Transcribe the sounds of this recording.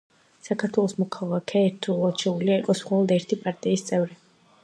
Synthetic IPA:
sakʰaɾt̪ʰwɛlˠɔsmɔkʰalˠakʰɛɛɾt̪ʰulˠat͡ʃʰɛuliaiqʼɔsχɔlˠɔd̪ɛɾt̪ʰipʼaɾt̪ʼiːst̪sʼɛvɾi

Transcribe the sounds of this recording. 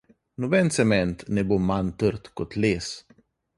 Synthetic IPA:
nʊbɛnsɛmɛnt̪nɛbumant̪əɾt̪kʊt̪leːs

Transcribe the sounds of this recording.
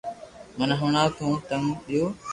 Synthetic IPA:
mənɦʊɳãːt̪ʰũːt̪əŋɓɪjoː

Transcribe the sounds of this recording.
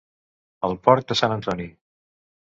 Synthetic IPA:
əlˠpɔɾk̚d̪əsanənt̪ɔni

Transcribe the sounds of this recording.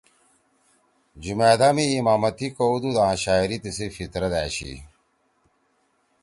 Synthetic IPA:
d͡ʑumeːd̪amiːmaːmɐt̪ikoud̪ud̪ãːɕaːiɾit̪isefit̪ɾɐd̪æːɕḭ

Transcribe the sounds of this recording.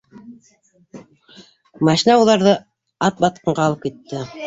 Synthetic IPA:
mɑʃinɑulˠɑɾðɤ | ɑt̪̚bɑt̪̚qɤ̆ɴɢɑːlˠɤp̚kit̪ːɘ

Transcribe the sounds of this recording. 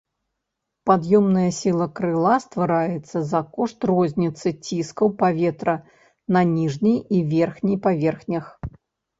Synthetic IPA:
pad̪jɔmnɐjɐsʲilˠɐkɾɨlˠast̪vaɾajɛt̪sːɐzɐkɔʂt̪rɔzʲnʲit̪sɨt͡sʲiskɐwpavʲɛt̪ɾɐ | nɐnʲiʐnʲijivʲɛrxnʲijpavʲɛrxnʲɐx

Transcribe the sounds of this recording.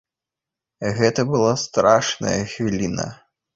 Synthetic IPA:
ɣɛt̪ɐbɨlˠast̪ɾaʂnɐ̰jɐxvʲilʲinɐ̰

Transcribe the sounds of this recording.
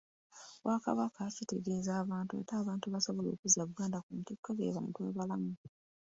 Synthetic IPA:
wʔakaβakacite̞ɡe̞ːzaːβaːntuḛtaːβaːntuβaso̞βo̞lo̞̰ːkuzaβuɡaːndakumtekːaβḛβamutwa̰ːβalamu

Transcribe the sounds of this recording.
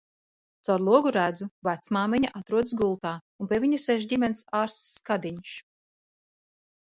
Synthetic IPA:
t̪awɾlˠuɔɡuɾæːd̪zuvat̪smaːmiɲaʔat̪ɾuɔd̪sɡulˠt̪aːunpʲiɛviɲusɛʃ̬dʲimʲɛnsaːɾskad̪iɲʃ

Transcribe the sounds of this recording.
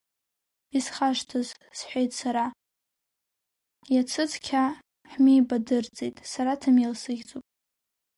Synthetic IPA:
isχaʂtʰɨz | sħʷejtʼsaɾa | jat͡sʰɨt͡sʰʼkʲʰa | ħmiːbadɨrt͡sʼejtʼsaɾatʰamilsɨɡʲt͡sʼopʼ

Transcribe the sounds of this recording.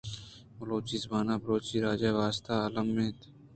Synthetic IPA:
bəloːt͡ʃizbaːnaːbɾoːt͡ʃiːɾaːd͡ʒaːʋaːst̪aːalɐmːẽːt̪

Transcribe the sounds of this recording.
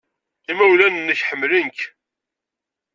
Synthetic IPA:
imæwlænənːəçħəmːlənk

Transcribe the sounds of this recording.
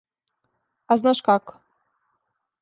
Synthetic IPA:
aznaʃkak

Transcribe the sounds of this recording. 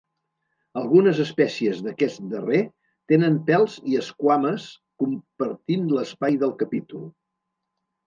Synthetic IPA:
əlˠɣunəzəspɛsiəzðəkɛsd̪əre | t̪enəmpɛlˠziəskwaməs | kumpəɾt̪inləspajðəlˠkəpit̪ulˠ

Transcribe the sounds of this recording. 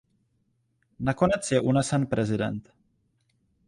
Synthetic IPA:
nako̞nɛt͡sjɛʔunɛsɛnpɾɛzɪdɛ̰nt̪

